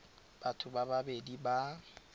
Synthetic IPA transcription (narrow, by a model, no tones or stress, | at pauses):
b̥atʰʊbababediba